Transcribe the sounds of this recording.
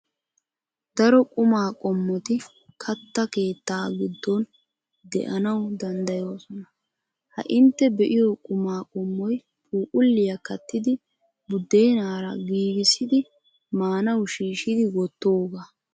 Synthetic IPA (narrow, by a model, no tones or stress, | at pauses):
d̪ɐɾɔkʼʊmaːkʼɔmːɔt̪ɪ | kʰɐt̪ːɐke̞ːt̪ːaːɡɪd̪ːɔn | d̪ɛ̰ʔɐnɐwd̪ɐnd̪ɐjo̞ːsɔnɐ | hɐ̰ʔɪnt̪ːɛbɛʔɪjɔkʼʊmaːkʼɔmːɔj | pʰʼuːkʼʊlːɪjɐkɐt̪ːɪd̪ɪ | bʊd̪ːe̞ːnaːɾɐɡiːɡɪsɪd̪ɪ | maːnɐwʃiːʃɪd̪ɪwɔt̪ːoːɡa